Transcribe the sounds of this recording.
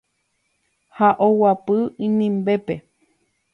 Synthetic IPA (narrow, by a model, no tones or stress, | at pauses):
haʔowapɨĩnĩmbepe